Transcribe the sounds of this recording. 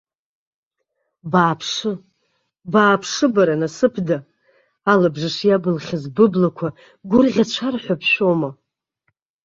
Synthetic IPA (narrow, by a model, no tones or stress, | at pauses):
baːpʰʂɨ | baːpʰʂɨbaɾanasɨpʰda | alabʐɨʂjabɨlχʲazbɨblakʷʰa | ɡʷʊrʁʲat͡ʃʷʰarħʷapʰʃoma